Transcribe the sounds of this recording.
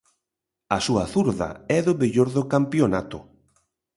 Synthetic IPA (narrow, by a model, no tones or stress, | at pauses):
ɐsuɐθuɾðɐ̰ɛðʊβeʎoɾðokampjonat̪ʊ